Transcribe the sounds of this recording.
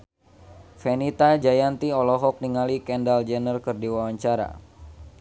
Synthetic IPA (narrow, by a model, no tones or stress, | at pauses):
fɛnit̪ad͡ʒajant̪iɔlɔɦɔk̚niŋalikɛndald͡ʒɛnərkɨrdiwawaɲt͡ʃaɾa̰